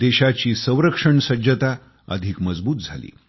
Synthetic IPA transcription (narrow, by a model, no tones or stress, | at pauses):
d̪eɕat͡ɕiːsə̃w̃ɾəkʂəɳsəd͡ʑət̪a | ə̰d̪ʱikməd͡zbuːt̪̚d͡zʱalḭː